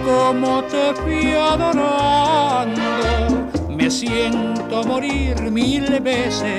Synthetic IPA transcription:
komot̪efiaðoɾand̪omesjen | t̪omoɾiɾmilbese

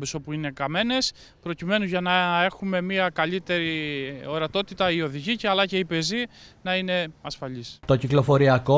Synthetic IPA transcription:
beso̞puine̞kɐme̞ne̞s | pɾo̞cime̞nuʝɐnɐe̞xume̞miɐkɐʎit̪e̞ɾio̞ɾɐt̪o̞t̪it̪ɐio̞ðiʝiceɐlɐce̞ipe̞zinɐine̞ɐsfɐʎist̪o̞ciklo̞fo̞ɾiɐko̞

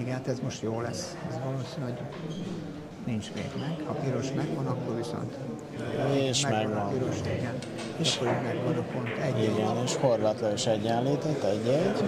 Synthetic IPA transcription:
iɡat̪ɛzmo̞ʃt̪joːlɛsːɛzvɒloːsinɛɦo̞ɟ | nint͡ʃmḛːɡnɛɡhɒpiɾo̞ʃmɛɡʋɒnɒkːorviso̰nt̪ | eːʃmɛɡʋɒnpiɾoʃiɡɛn | eʃkːoɾimɛɡʋɒnopont̪ɛiɡɛneːʃho̞rvaːt̪lɒɡoʃɛɟːɛnliːt̪ɛt̪ːɛɟːɛɟ

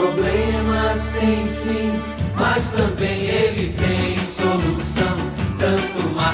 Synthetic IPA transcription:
oblẽmɐst̪ẽj̃sĩ | mast̪ɐ̃bẽj̃elit̪ẽj̃solusɐ̃w̃ | t̪ɐ̃t̪uma

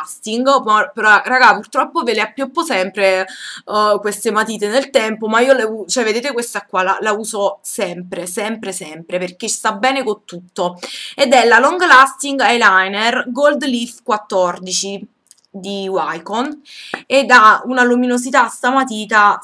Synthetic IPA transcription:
st̪iŋɡmapɾaraɡapurt̪ɾɔpːoveleapːjopːosɛmpɾe | kwest̪emat̪iːt̪enelt̪ɛmpomaiːoleut͡ʃɛved̪eːt̪ekwest̪akːwala̰lauːzosɛmpɾesɛmpɾesɛmpɾeperk̟est̪abːɛːnekont̪ːut̪ːoed̪ɛlːalɔŋɡalast̪iŋɡajlajnerɡold̪lifkwat̪ːɔrd̪it͡ʃi | d̪iwajkoned̪aunaluminozit̪ast̪amat̪iːt̪a

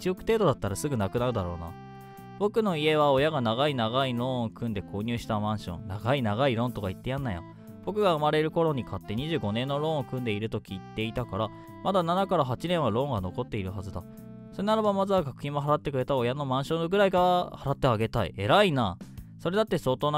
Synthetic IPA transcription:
t͡ɕiokɯ̟̥t̪e̞ːd̪o̞d̪at̪ːaɾasɨɡɯ̟nakɯ̟naɾɯ̟d̪aɾo̞̰ːna̰ | bo̞kɯ̟no̞ie̞βao̞jaɡanaɡainaɣaiɾõ̞okɯ̟̃nd̪e̞ko̞ːɲ̟ɨːɕi̥t̪amãɰ̃ɕõ̞̰nnaɡainaɡaiɾõ̞nt̪o̞kait̪ːe̞jãnːaja̰ | b̥o̞kɯ̟ɡaɯ̟maɾe̞ɾɯ̟ko̞ɾo̞ɲ̟ikʰat̪ːe̞ɲ̟iʑɨːɡo̞nẽ̞nːo̞ɾõ̞ːokɯ̟̃nd̪e̞iɾɯ̟t̪o̞kʲiːt̪ːe̞it̪akaɾa | mad̪ananakaɾaɦat͡ɕinẽ̞ɰ̃βaɾõ̞ŋɡano̞ko̞t̪ːe̞iɾɯ̟ɦazɨd̪a̰ | so̞ɾe̞naɾabamazɨβaɡakɯ̟çĩmːo̞ɦaɾat̪ːe̞kɯ̟ɾe̞t̪ao̞jano̞mãɰ̃ɕõ̞ŋɡɯ̟ɾaiɡahaɾat̪ːe̞aɡe̞t̪aḭe̞ɾainaːso̞ɾe̞d̪at̪ːe̞so̞ːt̪oːna

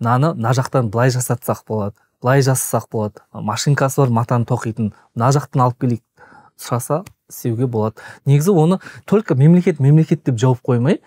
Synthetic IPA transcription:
nɑnənɑʒɑqt̪ɑnbəlˠɑjʒɑsɑt̪sɑq̚b̥o̞lˠɑd̪əb̥əlˠɑjʒɑsɑ̥sɑqbo̞lˠɑd̪əmɑʃiŋkɑsəbɑɾmɑt̪ɑnət̪ʰo̞qijt̪ən | nɑʒɑqt̪ɑnɑlˠəpkʲʰe̞le | sʊɾɑsɑ | ɪst̪e̞wɡʲe̞bo̞lˠɑd̪əne̞ɡʲɪzɪwo̞nət̪ʰolʲkame̞mle̞kʲe̞t̪me̞mle̞kʲe̞t̪̚d̪e̞pʒɑwɑp̚qʰojmɑj

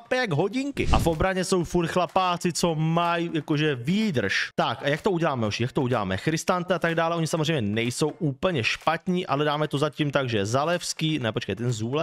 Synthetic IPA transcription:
pɛjaɡɦo̞ɟɪŋkɪʔa̰fʔo̞bɾaɲɛso̞wfuɾxlapaːt͡sɪt͡so̞majjakoʒɛviːd̪r̩ʃt̪akjak̚t̪ouɟɛlaːmɛoʃijakt̪ouɟɛla̰ːmɛ̰xɾɪst̪ant̪ɛat̪aɡdaːlɛʔoɲɪsamozrejmɲɛnɛjso̞wʔuːpl̩ɲɛʃpat̪ɲiːʔʔalɛdaːmɛt̪o̞zacimt̪aɡʒɛjɛzalɛfskiːnɛpo̞t͡ʃkɛjt̪ɛnzuːlɛ

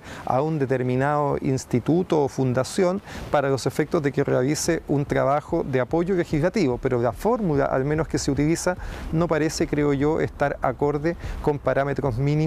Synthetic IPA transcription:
a̰und̪et̪eɾminaðoʔḭnst̪it̪ut̪oːfund̪asjo̞npaɾalo̞sefek̚t̪ozðekerealiseʔunt̪ɾaβaxoðeapoʝolexizlat̪iβopeɾolafoɾmula̰ʔa̰lme̞noskeseut̪ilisanopaɾesekɾeoʝoʔḛst̪aɾako̞ɾðekompaɾamet̪ɾozmini

